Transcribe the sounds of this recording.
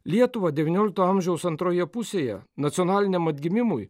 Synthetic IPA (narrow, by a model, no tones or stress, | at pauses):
lʲiɛt̪ʊʋɐd̪ʲɛʋʲɪnʲoːlʲɪk̚t̪oːɐmʲʒʲɛʊsɐnt̪ɾoːjɛpʊsʲeːjɛ̰nɐt̪sʲiɔnɑːlʲɪnʲɛmɐt̪ʲɡʲɪmʲɪmʊj